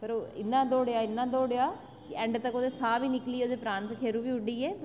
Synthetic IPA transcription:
pəɾoɪ̰nːãːd̪oːɽejaːɪnːãːd̪oːɽejaː | kɪɛ̃ɳɖt̪əkoːd̪eːsaːbiːnɪkliːoːd̪eːpɾãːnt̪əkʰeːɾuːbiːʊɖiːɛːp

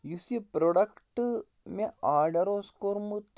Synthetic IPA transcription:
jusipɾoɽɐkʈɨ | meaːɖɐɾoːskoɾmut̪

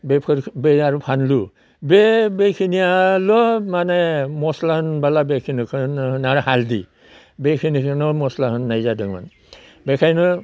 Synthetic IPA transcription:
bepʰɯɾbeaɾupʰanlu | bebekʰinijalɔmanemɔslanbalabekʰinɯkʰɯnhnaɾɔhaldi | bekʰinikʰɯnɔmɔslaɦɯnːajzadɯŋma̰n | bɛkʰajnɯ

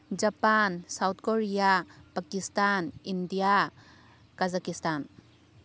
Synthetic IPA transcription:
d͡ʒapansawt̪̚ʰkoɾijapakistanindija | kazakistan

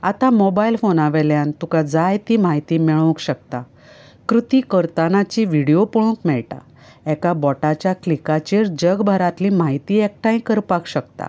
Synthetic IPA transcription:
at̪amobailfonaʋɛljãnt̪ukad͡zajt̪iːmaɦit̪iːmɛɭkɕək̚t̪a | kɾut̪iːkəɾt̪anat͡ɕiʋiɽijopuɭũkmɛɭʈa̰ | ɛkabɔʈat͡ɕjaklikat͡ɕeɾd͡ʑəɡbʱəɾat̪limaɦit̪iːɛk̚ʈãĩkəɾpakɕəkt̪a̰

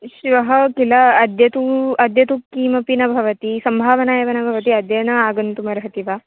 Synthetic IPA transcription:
ʃiʋɐɦɐkilɐːd̪jɐt̪uɐd̪ʱjɐt̪ukiːmɐpinɐbʱɐʋɐt̪isɐmbʱaːʋɐnaːjɐʋɐnɐbʱɐʋɐt̪iɐd̪jɐnɐaːɡɐnt̪umɐɾɐɦɐt̪iʋaː

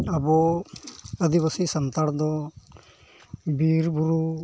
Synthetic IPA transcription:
abɔ | əd̪ibəsisənt̪aɽd̪ɔ | biɾbuɾu

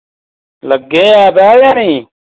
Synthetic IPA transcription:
ləɡːeːaːbaːɾjaːnĩː

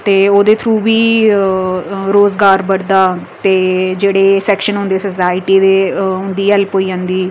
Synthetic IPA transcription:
t̪eːoːd̪eːt̪ʰɾũːbiː | ɾoːzɡaːɾbəɽd̪aː | t̪eːd͡ʒeːɽeːsɛːkʃənɦʊ̃nd̪eːsəsaːɪʈiːd̪eːɦʊ̃nd̪iːɛlpoːiːãːnd̪iː

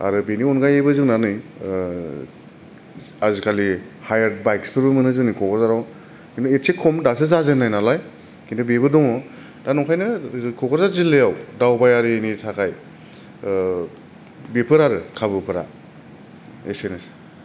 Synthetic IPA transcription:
a̰ɾɯbeniɔnɡajebɯzɯŋnanɯj | azikʰalihajaɾd̚bajkspʰɯɾbɯmɯnɯzɯnikʰɔkʰɔzaɾaw | kindɔesekʰɔmdasɯzazɯnajnalaj | kindɔbebɯdɔŋɔ | danɔkʰajnɯkʰɔkɔzaɾzilejawdawbajaɾienitʰakʰaj | bepʰɯɾaɾɯkʰabɯpʰɯɾa̰ | esenas

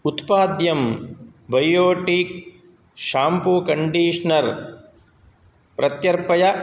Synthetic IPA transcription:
ut̪paːd̪jɐmbɐjoːʈiːk̚ | ʃaːmpukɐɳɖiːʂɐnɐɾ | pɾɐt̪jɐɾpɐjɐ

